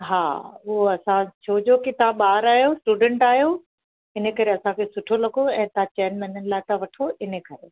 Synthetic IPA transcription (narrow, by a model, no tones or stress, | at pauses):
ɦaːʊɦoɐsãt͡ɕʰoːd͡ʑokit̪ãɓaːɾaːɦijosʈuːɖə̃ɳʈaːɦjo | ɪnə̆kɐɾeɐsãkʰesʊʈʰolɐkoɛ̃ːt̪ãt͡ɕeːnmɛːnənɪ̆laːɪt̪ãʋɐʈʰoʔɪnə̆kɐɾḛ